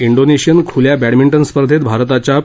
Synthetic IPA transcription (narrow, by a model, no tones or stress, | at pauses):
iɳɖoneɕijənkʰuljabæɽmiɳʈənspəɾd̪ʱet̪bʱaɾt̪at͡ɕa